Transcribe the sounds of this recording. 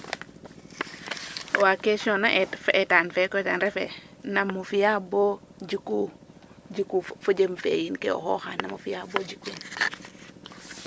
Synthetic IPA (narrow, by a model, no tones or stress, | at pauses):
wakeʃonaʔetfeʔetanfekotanɾefḛ | namːufijabod͡ʒiku | d͡ʒikufod͡ʒemfḛjinkḛo̰ho̰xanamufijabod͡ʒikin